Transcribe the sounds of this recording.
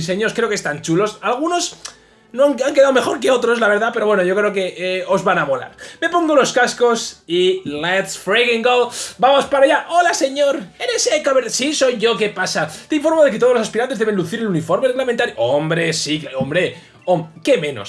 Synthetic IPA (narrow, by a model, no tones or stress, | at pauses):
seɲo̞skɾe̞o̞kest̪ant͡ʃulo̞salɣ̞uno̞s | noaŋaŋkeðaome̞xo̞ɾke̞o̞t̪ɾoslaβ̞e̞ɾðape̞ɾo̞βwe̞noʝo̞kɾe̞oke̞o̞zβanaβola̰ɾme̞po̞ŋɡolo̞skasko̞silet̪sfɾejɣiŋɡobamo̞spaɾaʝaʔolase̞ɲo̞ɾenesekoβeɾsiso̞jʝo̞ke̞pasat̪eiɱfo̞ɾmoðeket̪olosaspiɾant̪e̞zðee̞nluθiɾelunifo̞ɾmerelament̪aɾjoʔombɾe̞sikombɾe̞ | omke̞mẽ̞no̰s